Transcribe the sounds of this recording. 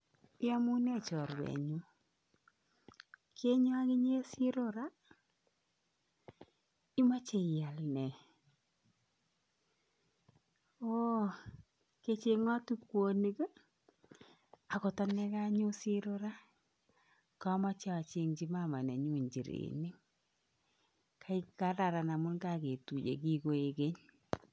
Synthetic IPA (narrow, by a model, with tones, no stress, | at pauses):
ɪ˦a˦mu˦ne˦˨t͡ʃɔ˨ɾwɛ̰˨ɲu˦ | kʰe˦ɲo˦a˦ɣɪ˦ɲe˦si˦ɾo˦ɾa˦ | i˦ma˦t͡ʃe˨ja˨lnɛ˨ | o˦ | ke˦t͡ʃe˨ŋa˦tu˦kwo˨ni˦k | a˨kɔ˨ta˦nɛ˦ka˦ɲo˦si˦ɾo˦ɾa˦ | ka˦ma˦t͡ʃa˦a˨t͡ʃe˦ŋt͡ʃi˦ma˦ma˨ne˨ɲu˦˨ɲd͡ʒi˨ɾḛ˨ni˦ | kʰa˦i˦ka˦ɾa˨ɾa˨na˨mʊ˦nka˦˨ke˨tu˨d͡ʒḛ˨ki˦ko˨e˨ke˦ɲ